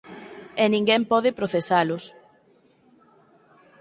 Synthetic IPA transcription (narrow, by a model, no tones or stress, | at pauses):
enĩŋɡɛmpɔðɪpɾoθesalʊs